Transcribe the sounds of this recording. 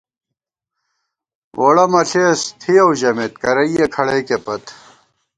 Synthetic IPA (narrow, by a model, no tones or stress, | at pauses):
wʔoɽɐmɐɬʰeːst̪ʰiɐwʑɐmet̪̚kɐɾɐijekʰɐɽekepɐt̪